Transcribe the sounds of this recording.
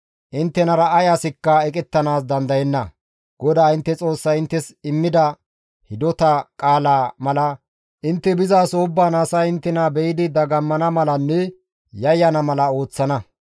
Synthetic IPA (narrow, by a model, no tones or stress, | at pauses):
ʔɪnt̪ːɛnɐɾɐːjaːsɪkːɐɛkʼɛt̪ːɐnaːsd̪ɐnd̪ɐjɛnːɐ | ɡ̥ɔd̪aːɪnt̪ːɛt͡sʼo̞ːsːɐɪnt̪ːɛsɪmːɪd̪ɐ | hɪd̪ɔt̪ɐkʼaːlaːmɐlɐ | ʔɪnt̪ːɛbɪzaːsoʊbːaːnaːsaɪnt̪ːɛnabɛjɪd̪ɪd̪ɐɡɐmːɐnɐmɐlɐnːɛ | jɐjːɐnɐmɐlɐo̞ːt͡sːɐnɐ